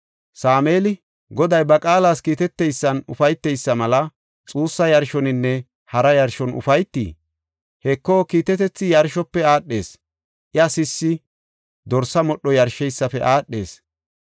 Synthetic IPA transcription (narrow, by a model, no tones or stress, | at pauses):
saːmeːlɪ | ɡɔd̪ɐjbɐkʼaːlaːskiːt̪ɛt̪ːɛjsːɐnʊfɐjt̪ːɛjsːɐmɐlɐ | t͡sʼuːsːɐjɐɾʃɔnɪnːɛ | hɐɾɐjɐɾʃɔnʊ̰fɐjt̪ːḭː | hɛkːokiːt̪ɛt̪ɛt͡sːɪjɐɾʃɔpːɛaːɗːe̞ːs | ʔɪɐsɪsːɪ | d̪ɔɾsɐmɔɗːɔjɐɾʃɛjsːɐfɛʔaːɗːe̞ːs